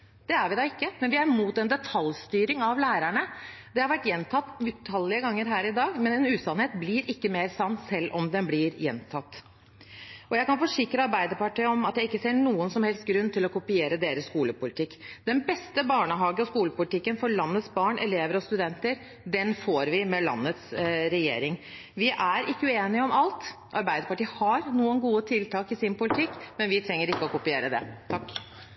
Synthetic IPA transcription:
d̪̥ɛæɾʋɪd̪ɑːɪkːəmɛnʋɪæɾmuːt̪ɛnd̪ɛt̪ʰɑlst̪yːɾɪŋɑʋlæːɾæɳəd̪ɛhɑɾʋæʈːjɛnt̪ʰɑt̪ːʉt̪ʰɑlːɪəɡɑŋːəɾɦæːɾɪd̪ɑːɡmɛnɛnʉːsɑnheːt̪blɪɾɪkːəmeːɾsɑnt̪sɛlːʔɔmd̪ɛnblɪɾjɛ̰nt̪ʰɑt̪ː | ʔɔjæɪkɑnfɔʂɪkɾəɑɾbæɪd̪əpɑʈiːəɔmɑt̪jæɪɪkːəseːɳuːənsɔmhɛlst̪̚ɡɾʉnːt̪ʰɪlɔkʊpɪeːɾəd̪eːɾəskuːləpʊlɪt̪ʰɪkːd̪̥ɛnbɛst̪əbɑːɳəɦɑːɡəɔskuːləpʊlɪt̪ɪkːənfɔɾɭɑnːət̪sbɑːɳʔɛ̰leːʋəɾɔst̪ʉd̪ɛnt̪əɾ | d̪ɛnfoːɾʋɪmɛlɑ̰nːət̪sɾɛjḛːɾɪŋ | ʋɪʔæɾʔɪkːəʉeːnɪəɔmɑlt̪ | ʔɑɾbæɪd̪əpɑʈiːəhɑɾnuːənɡuːət̪ʰɪlt̪ɑːkɪsɪnpʊlɪt̪ʰɪkːmɛnʋɪt̪ʰɾɛŋːəɾɪkːəɔkʊpɪeːɾəd̪ɛ̰t̪ʰɑkː

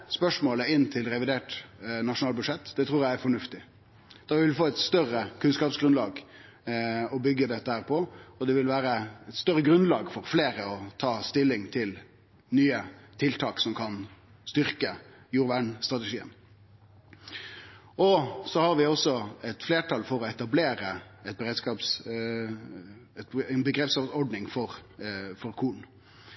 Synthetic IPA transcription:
spœʂmoːləɪnːt̪ʰɪlɾɛʋɪd̪eːʈnɑʂʊnɑːlbʉʂɛt̪ːd̪ɛt̪ʰɾuːɾjæɪæɾfɔɳʉft̪ɪ | d̪̥ɑʋɪlfoːɛt̪st̪œrəkʰʉnskɑːpsɡɾʉnlɑːɡ | ɔbʏɡːəd̪ɛt̪ːəhæːɾpʰɔɔd̪ɛʋɪlʋæːɾəɛt̪st̪œɾəɡɾʉnlɑːɡfɔɾfleːɾəɔt̪ʰɑːst̪ɪlːɪŋt̪ʰɪl | nyːət̪ʰɪlt̪ʰɑːksɔmkʰɑn | st̪ʏɾkə | juːɾʋæɳst̪ɾʁɑt̪ɛʂiːə̰n | ɔsɔhɑɾʋɪɔsɔɛt̪fleːʈʰɑlfɔɾɔɛt̪ɑbleːɾəɛt̪̚bəɾeːd̪skɑːps | ɛt̪nbəɡɾɛpsɑɔɖnɪŋfɔɾfɔɾkʰuːɳ

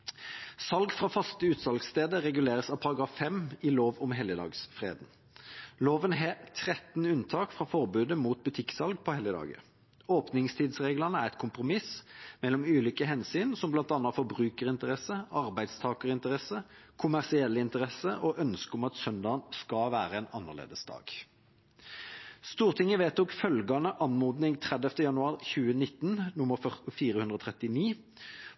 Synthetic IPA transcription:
sɑlɡfʁɑfɑst̪əʉːt̪sɑlɡst̪eːd̪əʁɛɡʉleːʁəsɑpʰɑɾɑɡɾɑːfɛmɪloːʋɔmɦɛləd̪ɑ̰ːɡsfʁḛːd̪n | loːʋənɦɛt̪ʰʁɛt̪nʉnt̪ʰɑːkfʁɑfɔʁbʉːd̪əmuːt̪̚bʉt̪ʰɪksɑlɡpʰɔhɛləd̪ɑ̰ːɡə̰ | oːpnɪŋst̪ʰiːd̪sʁeːɡlɑnəæʁɛɪt̪̚kʰʊmpʁʊmɪsmɛlːɔmʉːliːkəɦɛnsyːnsɔmblɑnt̪ɑnːɑfɔbʁʉːkəʁɪnt̪əʁɛsəɑʁbæɪd̪st̪ʰɑːkəʁɪnt̪əʁɛsəkʰʊmæʁsɪɛlːəɪnt̪əʁɛsəʔoʔœnskəɔmɑt̪sœnd̪ɑːənskɑʋæːɾəɛːnɑnːəʁlḛːd̪əsd̪ɑ̰ːɡ̥ | st̪uːʁt̪ʰɪŋːəʋeːt̪̚ɔkfœlɡɑnəʔɑnmuːd̪nɪŋt̪ʰʁɛd̪ɛft̪əjɑnʉɑːʁçʉːənɪt̪ːnnʊməffiːɾəhʉnd̪ʁəɔːt̪ʰʁɛt̪ɪniː

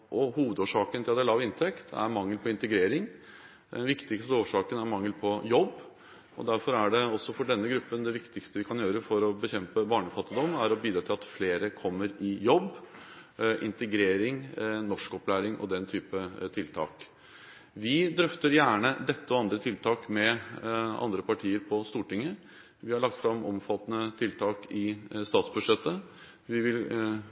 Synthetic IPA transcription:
ʔɔhuːʋəd̪oːʂɑːkənt̪ʰɪlɑd̪ɛlɑʋɪnt̪ʰɛkt̪ʰæ̰ɾmɑŋːəlpʰɔɪnt̪əɡɾeːɾɪŋ | d̪ɛnʋɪkt̪ɪkst̪əoːʂɑːkənæɾmɑŋːəlpʰɔjɔbː | ɔ̰d̪æɾfɔɾæɖɛɔsɔfɔɖɛnːəɡɾʉpːənd̪ɛʋɪkt̪ɪkst̪əʋɪkʰɑnjøːɾəfɔɾɔbəçɛmpəbɑːɳəfɑt̪ːɪd̪ɔmːæɾɔbyːd̪ɾɑt̪ʰɪlɑt̪fleːɾəkʰɔmːəɾɪjɔbː | ʔɪ̰nt̪əɡɾeːɾɪŋnɔʂkɔplæːɾɪŋʔɔ̰d̪ɛnt̪ʰyːpət̪ʰɪlt̪ʰɑ̰ːk | ʋɪd̪ɾœft̪əɾjæːɳəd̪ɛt̪ːəɔɑnd̪ɾət̪ʰɪlt̪ʰɑːkmɛ | ɑ̰nd̪ɾəpɑʈʰiːəɾpʰɔst̪uːʈɪŋːə | ʋɪhɑɭɑk̚t̪fɾɑmːɔ̰mfɑt̪ːnət̪ʰɪlt̪ʰɑːkɪst̪ɑːt̪sbʉʂɛt̪ːə | ʋɪʋɪl

